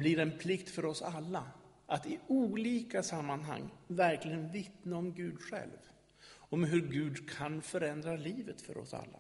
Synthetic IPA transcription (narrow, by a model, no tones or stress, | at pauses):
blɪɾɛnpʰlɪkt̪fœɾɔsalːa | ʔat̪ɪuːliːkasamːanɦa̰ŋːvæɾklɪɡənvɪt̪naɔmɡʉ̟ːd̪ɧɛ̰lv | ɔmɦɵɾɡʉ̟ːd̪kʰanfœɾɛnd̪ɾaliːvət̪fœ̰ɾɔ̰sa̰lːa̰